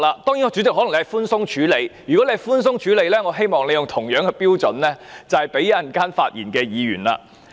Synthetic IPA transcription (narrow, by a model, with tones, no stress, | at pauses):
laː˧t̪ɔː˥ŋi˨˥ŋɔː˨˧t͡ʃy˨˥t͡sɪkɦɔ˨˥lɐ˨ŋle˧hɐ˨˩fuː˥nsʊ˥ŋt͡ʃʰyː˨˧le˨˧jjyː˨˩kɔ˨˥le˧hɐ˨˩fuː˥ns̬ʊ˥ŋt͡ʃʰyː˨˥le˨˧jlɛː˥ŋɔː˨˧ɦe˥jmɔː˨ŋle˨˧jʊ˨ŋt̪ʰʊ˨˩ŋjœː˨˥ŋkɛ˧piː˥wt͡sɵ˨nlɛː˥t͡sɐ˨hɐ˨jpe˨˥jɐ˨˥jɐ˨nkaː˥nfaː˧t̚jiː˨˩nkɛː˧jiː˨˧ɥy̰ː˨˩nla̰ː˧